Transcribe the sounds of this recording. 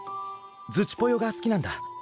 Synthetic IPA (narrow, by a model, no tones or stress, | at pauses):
d͡zɨt͡ɕi̥po̞jo̞ɡasɨ̥kʲinãnd̪a